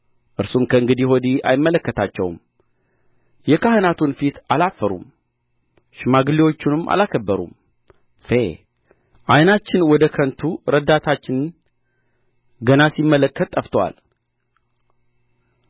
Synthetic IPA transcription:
ʔɨɾsumkʰəɨŋɡɨd̪ihod̪ia̰jɪmːələkːət̪ʰat͡ʃːɛwm | jɛkahənat̪ʰunfit̪ʰalafːəɾṵm | ʃɪmaɡɨliwo̞t͡ʃːunɨma̰lakʰəbːəɾṵm | fe | ʔajnat͡ʃːɪnwɔd̪əkʰənt̪ʰuɾəd̪at̪ʰat͡ʃːɪnn | ɡənasimːələkːət̪ʼːəft̪ʰwa̰l

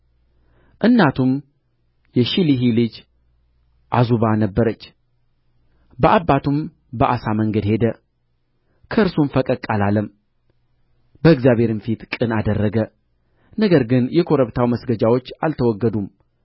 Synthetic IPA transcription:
ʔɨnːat̪ʰum | jɛʃiliɦilɨd͡ʒ | ʔazuβanəbːəɾət͡ʃː | bəʔabːat̪ʰum | bəʔasaməŋɡəd̪he̞d̪ə | kʰəɨɾsumfəkʼəkʼːalaləm | bəɨɡzjaβhe̞ɾɨnfit̪kʼɨnad̪ərːəɡə | nəɡəɾɡɨnjɛkʰo̞ɾəβt̪ʰawməsɡəd͡ʒawo̞t͡ʃːalt̪ʰəwɔɡːəd̪um

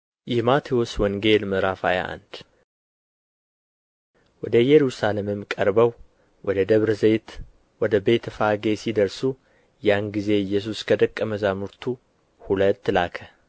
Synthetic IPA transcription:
jɪhmat̪ʰewoswɔŋɡe̞lməɾafaja̰ʔa̰nd̪̥ | wɔd̪əjɛɾusalemɨmkʼəɾbəw | wɔd̪əd̪əβɾzejt̪ | wɔd̪əbe̞t̪ʰfaɡe̞sid̪əɾsu | janɡize̞ɨjːɛs̬uskʰəd̪əkʼːəməzamuɾt̪ʰu | hulət̪ːlakʰə

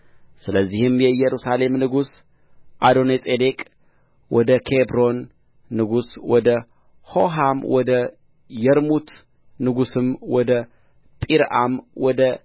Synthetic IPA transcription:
sɨləzːihɨmjɛjɛɾusale̞mnɨɡus | ʔad̪o̞nesʼed̪e̞kʼ | wɔd̪əkʰebɾo̞nː | ɨɡuswɔd̪ə | ho̞ɦamwɔd̪ə | jɛɾmut̪ | nɨɡusɨmwɔd̪ə | t̪ʼiɾʔamwɔd̪ə

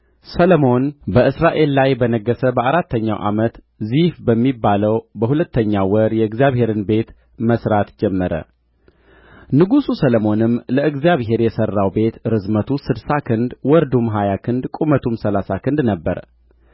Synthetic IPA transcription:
sələmo̞nbəʔɨsɾaʔe̞lːajbənəɡːəsəbəaɾat̪ːəɲːa̰wʔa̰mət̪ | zifbəmːibːaləwbəhulət̪ʰːəɲːawəɾjɛɨɡzjaβhe̞ɾɨnbe̞t̪ | məsɾat̪d͡ʒɛmːəɾə̰ | nɨɡususələmo̞nɨmləʔɨɡzjaβɦe̞ɾjɛsərːawbe̞t̪ɾɨzmət̪ʰusɨd̪sakʰɨnd̪wɔɾd̪umɦajakʰɨnd̪kʼumət̪ʰumsəlasakʰɨnd̪nəbːə̰ɾ

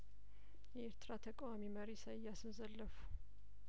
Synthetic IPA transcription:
jɛeɾt̪ʰɨɾat̪ʰəkʼwamiməɾisajːasɨmzəlːəfu̥

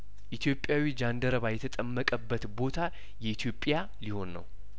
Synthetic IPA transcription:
ʔit̪ʰjo̞pʼːjawid͡ʒand̪əɾəβajɛt̪ʰət̪ʼəmːəkʼəbːət̪bo̞t̪ʰa | jɛit̪ʰjo̞pʼːja | liho̞nːə̰w

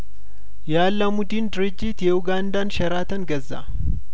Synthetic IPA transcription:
jaːlːɐmʊd̪iːnd̪ɾɪd͡ʒːiːt̪jɛʊɡaːnd̪aːnʃɐɾaːt̪ɐŋɡɐzːa̰

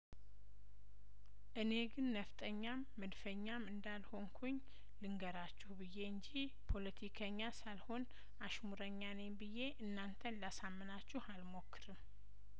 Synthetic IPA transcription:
ʔɨne̞ɡɨnːəft̪ʼəɲːamːəd̪fəɲːamɨnd̪alho̞ŋkʰuɲː | lɨŋɡəɾat͡ʃːuhbɨjːe̞ɨɲd͡ʒi | pʰo̞lət̪ʰikʰəɲːasalho̞n | aʃmuɾəɲːanembɨje̞ʔɨnːant̪ʰənlasamːɨnat͡ʃːuhalmo̞kʰːɨɾɨm

